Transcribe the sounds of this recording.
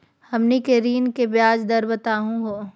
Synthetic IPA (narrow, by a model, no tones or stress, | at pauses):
hɐmnikeɾiːnkebjaːd͡ʒd̪ɐɾbɐt̪aːɦũɦoː